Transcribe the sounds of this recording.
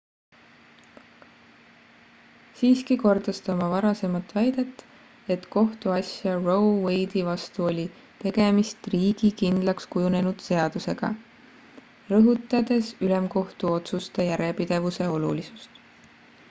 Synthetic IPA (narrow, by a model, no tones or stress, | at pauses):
siːskiko̞rd̪̥ɑst̪ɑmɑvɑɾɑse̞mɑt̪ːˑvæjd̪et̪ːˑ | e̞t̪ko̞ht̪uɑsʲjɑro̞wwe̞jd̪ivɑst̪uo̞lʲi | t̪e̞ɡ̥e̞mist̪riːɡikind̪̥lɑkskujune̞nud̪̥se̞ɑd̪̥use̞ɡ̥ɑ̰ | rɤɦut̪ːˑɑd̪e̞sylemko̞ht̪uo̞t̪sust̪ejæɾepid̪̥e̞vuse̞o̞lṵlisu̥st̪